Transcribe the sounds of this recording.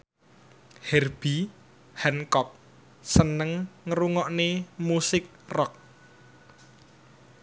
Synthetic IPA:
hɛrb̥i | hɛnkɔp̚ | sənəŋːəɾuŋɔʔnemusɪk̚rɔk̚

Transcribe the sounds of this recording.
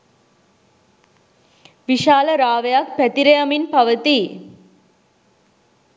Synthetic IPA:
ʋiʂaːlɐɾaːʋɐjaːkpɛt̪iɾɐjɐminpɐʋɐt̪i

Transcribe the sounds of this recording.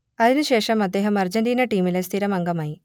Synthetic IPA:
ɐðinɨɕe̞ːʂɐmɐd̪ːe̞ːɦɐmɐrd͡ʑɐnɖiːnɐʈiːmilest̪ʰiɾɐmɐŋɡɐmaːji

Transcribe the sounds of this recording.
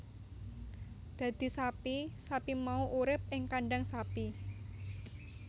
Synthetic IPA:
d̪̥a̤d̪̥i̤sapisapimauʔuɾɪp̚ʔɪŋkaɳɖaŋsapi

